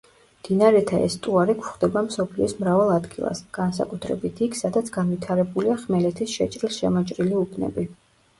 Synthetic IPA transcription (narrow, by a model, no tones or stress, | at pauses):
md̪̥inaɾɛt̪ʰaɛ̰st̪ʼuaɾikʰwχd̪ɛbamsɔpʰliɔsmɾavalˠad̪ɡilˠa̰sɡ̥ansa̰kʼut̪ʰɾɛ̰bit̪ʰikʰsad̪at̪sʰɡ̥anvit̪ʰaɾɛbuliaχmɛlɛt̪ʰisʃɛt͡ʃʼɾilˠʃɛmɔt͡ʃʼɾiliupʰnɛ̰bi